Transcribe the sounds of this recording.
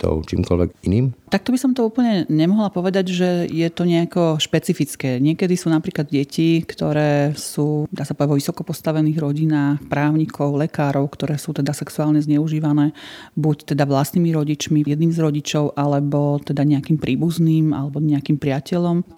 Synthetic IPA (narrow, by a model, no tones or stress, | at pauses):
t̪ɔ̰ʊt͡ʃḭːmkɔ̰lʋɛ̰ɡiniːmt̪ak̚t̪ɔbisɔmt̪ɔuːpl̩ɲɛɲɛmɔɦlapɔʋɛd̪aɟʒɛjɛt̪ɔɲɛakɔʃpɛt͡sifit͡skɛːɲɪɛkɛd̪isuːnapɾiːklad̪ɟɛcikt̪ɔɾɛːsuːd̪aːsapɔʋdavʋɔʋisɔkɔpɔst̪aʋɛniːɣɾɔɟinaːxpɾaːʊɲikʰɔʊlɛkaːɾɔʊkt̪ɔɾɛːsuːt̪ɛd̪asɛksuaːlɲɛzɲɛuʒiːʋanɛːbuct̪ɛd̪aʋlast̪nimiɾɔɟit͡ʃmijɛd̪niːmzɾɔɟit͡ʃɔʊʔalɛbɔt̪ɛd̪aɲɛakiːmpɾʔiːbuzniːma̰lɛbɔɲɛakiːmpɾɪacɛʎɔm